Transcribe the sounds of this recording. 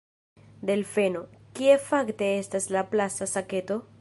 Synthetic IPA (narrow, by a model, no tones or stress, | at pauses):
d̪e̞lfe̞no̞kie̞fakte̞estaslaplasasake̞to̞